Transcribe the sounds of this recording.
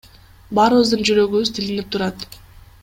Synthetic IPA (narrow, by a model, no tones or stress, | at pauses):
bɑɾɯβɯzd̪ɯnd͡ʒyɾø̞ɡyβyzt̪ʰilinip̚t̪ʰuɾɑt̪